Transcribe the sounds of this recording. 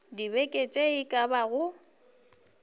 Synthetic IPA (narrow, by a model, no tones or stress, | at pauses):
dibɛkʼet͡ʃʼeɪkʼabaɣʊ